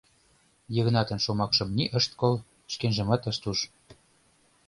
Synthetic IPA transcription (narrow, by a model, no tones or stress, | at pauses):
jə̆ɣnɑt̪ə̆nʃomɑkʃɤ̆mniʔəʃt̪̚kol | ʃkenʒə̆mɑt̪əʃt̪uʃ